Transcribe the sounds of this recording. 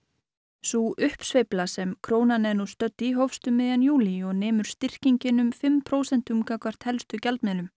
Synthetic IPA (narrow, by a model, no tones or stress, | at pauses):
suʔʏhpsvejplasɛmkʰɾoːwnanɛnust̪œt̪ːiɦɔfst̪ʏmːɪðjanjuːliɔɣnɛːmʏɾ̥st̪ɪr̥ciɲcɪnʏmfɪmpʰɾoːwsɛn̥t̪ʏmkakvar̥t̪hɛlst̪ʏcalt̪mɛːlʏm